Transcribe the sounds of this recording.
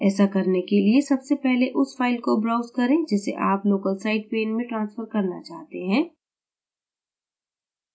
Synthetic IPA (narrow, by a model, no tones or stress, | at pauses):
ɛːsakɐɾnekeliesɐbsepɛɦleʔʊsfaːɪlkobɾaːʊzkɐɾẽd͡ʒɛːsḛʔaːploːkəlsaːɪɖ̚peːnmẽʈɾãːnsfəɾkɐɾna̰t͡ʃaːɦt̪eɦɛ̃ː